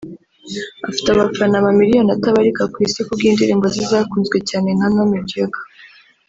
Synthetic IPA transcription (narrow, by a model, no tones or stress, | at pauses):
afi̥taβafanaβamiɾijo̞nataβaɾikakwisikubɡiːndiɾiːmbozizaːkuːnzɡwe̞caːnenanamiɟeɡḁ